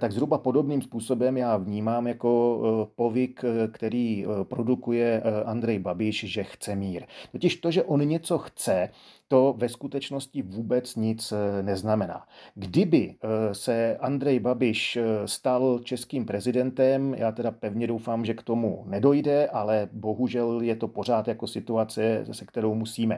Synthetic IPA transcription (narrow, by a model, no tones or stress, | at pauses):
t̪aɡzɦɾubapo̞do̞bniːmspuːso̞bɛmjaːvɲiːmaːmjako̞po̞vɪkkt̪ɛɾiːpɾo̞dukujɛʔand̪ɾɛjbabɪʃʒɛxt͡sɛmiːɾt̪o̞cɪʃt̪o̞ʒɛʔonɲɛt͡so̞xt͡sɛt̪o̞vɛskut̪ɛt͡ʃno̞scɪvuːbɛt͡sɲɪt͡snɛznamɛna̰ːɡdɪbɪsɛʔand̪ɾɛjbabɪʃst̪alt͡ʃɛskiːmpɾɛzɪdɛnt̪ɛmjʔaːt̪ɛdapɛvɲɛdo̞wfaːmʒɛkt̪o̞mṵnɛdo̞jdɛʔalɛbo̞ɦuʒɛljɛt̪o̞po̞r̝aːt̪jako̞sɪt̪uat͡sɛsɛkt̪ɛɾo̞wmusiːmɛ